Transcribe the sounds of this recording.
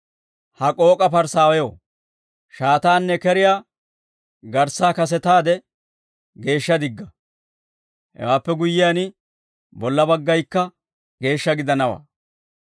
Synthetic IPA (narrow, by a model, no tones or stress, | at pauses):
hɐkʼo̞ːkʼɐpɐɾsaːwɛjo̰ː | ʃaːt̪aːnːɛkɛɾɪjaː | ɡɐɾsːaːkɐs̬ɛt̪aːd̪ɛ | ɡe̞ːʃːɐd̪ɪɡːɐ | hɛ̰waːpːɛɡʊjːɪjaːnɪ | bɔlːɐbɐɡːɐjkːɐ | ɡe̞ːʃːɐɡɪd̪ɐnɐwa̰ː